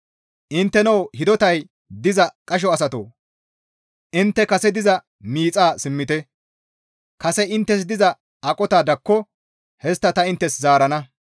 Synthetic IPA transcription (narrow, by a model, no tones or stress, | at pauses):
ʔɪnt̪ːɛnɐwhɪd̪ɔt̪ɐj | d̪ɪzɐkʼɐʃ̬ɔɐsɐt̪o̰ː | ʔɪnt̪ːɛkɐsɛd̪ɪzɐ | miːt͡sʼaːsɪmːɪt̪ɛ | kɐsɛɪnt̪ːɛs̬d̪ɪzɐ | ɐkʼɔt̪aːd̪ɐkːɔ | hɛst̪ːɐt̪ɐɪnt̪ːɛszaːɾɐnɐ